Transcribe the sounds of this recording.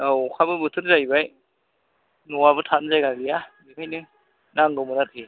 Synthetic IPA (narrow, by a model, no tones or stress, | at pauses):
awkʰabɯbɯtʰɯɾzajbaj | nɔwabɯtʰanzajɡaɡijabɯkʰajnɯ | naŋɡɯmɯnatʰi